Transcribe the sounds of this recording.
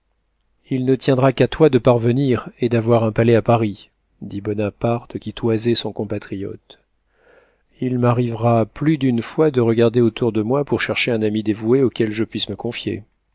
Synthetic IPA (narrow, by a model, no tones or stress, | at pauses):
ilnət̪jɛ̃d̪ʁakat̪wad̪əpaʁvəniʁed̪avwaʁɛ̃palɛapaʁi | d̪ibɔnapaʁt̪kʲit̪wazɛsɔ̃kɔ̃pat̪χijɔ̰t̪ | ilmaʁivʁaplyd̪ynfwad̪əʁəɡaʁd̪eot̪uʁd̪əmwapuʁʃɛʁʃeɛ̃namid̪evueokʲɛlʒəpɥisməkɔ̃fjḛ